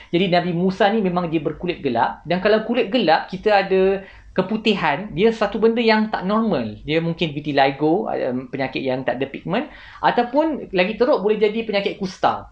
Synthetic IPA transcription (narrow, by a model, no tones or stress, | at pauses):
d͡ʒadinãbimusanĩmẽmãŋdiəbərkulɪt̪̚ɡəla̰ʔdankalawkulɪt̪̚ɡəlaʔkit̪aada | kəput̪iɦandiəssat̪ubəndəjaŋt̪a̰ʔnɔrmə̃ldiəmuŋkɪnbit̪ilajɡoa̰ə̰mpəɲakɪt̪̚jaŋt̪a̰ʔdəpik̚mə̃n | ʔat̪awpʊnlaɡit̪əɾoʔ̚bolɛhd͡ʒadipəɲakɪt̪̚kust̪a̰